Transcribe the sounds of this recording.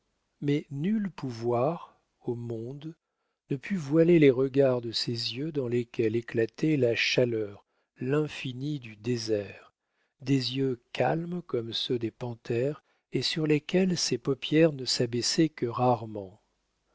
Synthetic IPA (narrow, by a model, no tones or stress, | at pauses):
mɛnylpuvwaʁ | omɔ̃d̪ | nəpʰyvwaleleʁəɡaʁd̪əsezjød̪ɑ̃lekʲɛleklat̪ɛlaʃalœːʁ | lɛ̃finid̪yd̪ezɛʁ | d̪ezjøkʰalmkɔmsød̪epɑ̃t̪ɛʁ | esyʁlekʲɛlsepɔpjɛʁnəsabɛsɛkəʁaʁmɑ̃